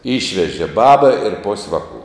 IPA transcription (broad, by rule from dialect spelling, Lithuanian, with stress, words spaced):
ˈiːʃʲʋʲɛʒʲeː ˈbɑːbɐ ɪr poːsʲ ˈʋɑːˌkʊ